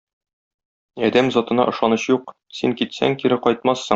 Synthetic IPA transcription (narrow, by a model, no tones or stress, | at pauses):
ɒd̪æmzɒt̪ɤ̆nɑ̰ʔɤ̆ʃɑnɤɕjuq | siŋkit̪sæ̰ŋkiɾɘqɒjt̪̚mɑsːɤŋ